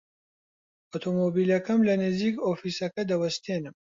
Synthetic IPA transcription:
ot̪ʰomoːbiːlɐkɐmlɐneziːkoːfiːsɐkɐd̪ɐwɐst̪enɨm

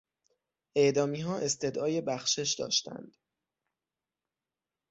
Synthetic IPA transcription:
ʔe̞ʔd̪ɒːmiːɦɒːʔe̞st̪e̞d̪ɒːje̞bæxʃe̞ʃd̪ɒ̰ːʃt̪æ̰nd̪̥

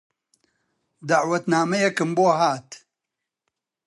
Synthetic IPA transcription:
d̪aʕwɐt̪naːmɐjɛkɨmboːɦaːt̪

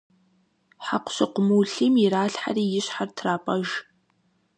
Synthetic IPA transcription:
ħaqʷʊ̥ɕɪqʷʊmuːɬimɪɾaːɬħa̰riːjɪɕħartʰraːpʼɐʒ

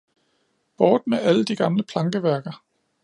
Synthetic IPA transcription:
b̥ɒːd̥meʔæləd̥iɡ̥ɑ̈mləpʰlɑ̈ŋɡ̥əʋæɐɡ̥ɐ

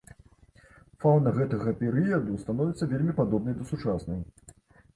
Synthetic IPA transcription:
fawnɐɣɛt̪ɐɣɐpʲɛɾɨjɐd̪ust̪anɔvʲit̪sːɐvʲelʲmʲipad̪ɔbnɐjd̪ɐsut͡ʂasnɐj

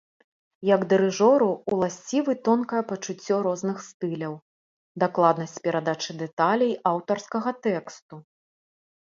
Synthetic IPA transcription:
jɐɡd̪ɨɾɨʐɔɾuːlˠasʲt͡sʲivɨt̪ɔnkɐjɐpɐt͡ʂut͡sʲːɔɾɔznɨxst̪ɨlʲɐw | d̪aklˠad̪nɐsʲt͡sʲpʲɛɾad̪at͡ʂɨd̪ɛt̪alʲɐjawt̪ɐrskɐɣɐt̪ɛkst̪u

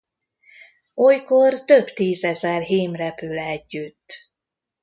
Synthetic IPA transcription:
ojkort̪ø̞bt̪iːzɛzɛrɦiːmrɛpylɛɛɟːyt̪ː

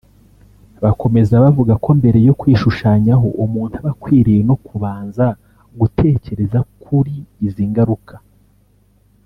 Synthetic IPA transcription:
βako̞me̞zaβavuɡako̞mbe̞ɾe̞jo̞kwiːʃuʃaːɲaɦo̞ʔumuːntuβakwiːɾijeno̞kuβaːnza | ɡutʰe̞ːce̞ɾe̞zakʰuɾiːziːŋɡaɾukʰḁ

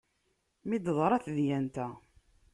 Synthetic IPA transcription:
mid̪əðˤɾˤɑθðjænt̪æ

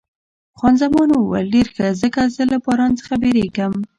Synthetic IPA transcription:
xwɑnzamɑnəwa̰lːiɾxəzəkazəlapɑɾɑnt͡sə̥χabeɾekəm

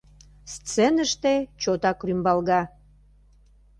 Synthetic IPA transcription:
st͡senəʃt̪et͡ɕot̪ɑkrymbɑlɣɑ

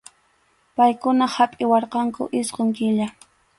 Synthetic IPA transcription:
pajkʊnahapʼɪwɑɾqɑŋkʊ̰ʔɪsqoŋkɪʎa

